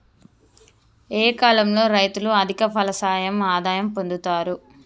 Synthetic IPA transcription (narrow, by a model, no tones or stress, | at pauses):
eːkaːlɐmlo̞ːɾɐjt̪uluɐd̪ʱikɐpʰɐlɐsaːjɐmaːd̪aːjɐmpo̞nd̪ut̪aːɾu